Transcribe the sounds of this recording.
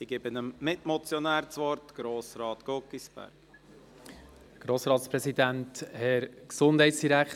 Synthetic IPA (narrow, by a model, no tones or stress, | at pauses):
siɡ̥ebənəmmɪtmɔt͡sjɔnæːɾt͡sʋɔɾtɡ̥ɾoːsɾɑːtɡ̥ɔkːisbæ̰ɾk | ɡ̥ɾoːsɾɑːtspɾɛsidænthɛɾksʊnd̥ɦɛɪtsd̥iɾæk